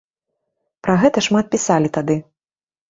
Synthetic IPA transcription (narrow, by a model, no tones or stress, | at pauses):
pɾaɣɛt̪ɐʂmat̪̚pʲisalʲit̪ad̪ɨ